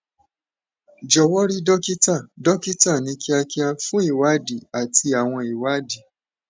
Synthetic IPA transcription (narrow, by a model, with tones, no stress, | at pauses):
d͡ʒɔ˨wɔ˦ɾi˦dɔ˦ki˦ta˦˨dɔ˦ki˦ta˦˨nĩ˨˦ki˦a˧ki˦a˧fũ˦i˦˨wa˨˦di˨a˨tʰi˧a˨w̃ɔ̃˧i˨wa˨˦di˨